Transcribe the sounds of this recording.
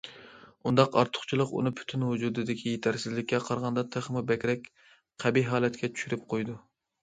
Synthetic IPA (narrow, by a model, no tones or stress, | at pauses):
und̪ɑqɑ̰ɾt̪ʰʊ̥χt͡ʃʰilˠəqṵnɨpʰy̥t̪ʰynɦud͡ʒuːd̪ɨd̪ɪkʲʰijet̪ʰæɾsɪzlɪkʲːɛqʰɑɾʁɑnd̪ɑt̪ʰeχmubɛkʲɾɛkʲ | qʰæbiɦɑːlɛt̪kʲɛt͡ʃʰy̥ʃyɾɪp̚qʰojd̪u